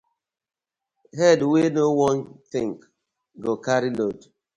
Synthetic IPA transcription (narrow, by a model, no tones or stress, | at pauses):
ɦɛdwenowɔ̃ntɪ̃ŋk | ɡokaɾilod